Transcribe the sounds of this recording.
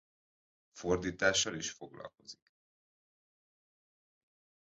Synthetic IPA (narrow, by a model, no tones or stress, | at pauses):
fo̞rd̪iːt̪aːʃːɒliʃfo̞ɡlɒ̰lko̞zik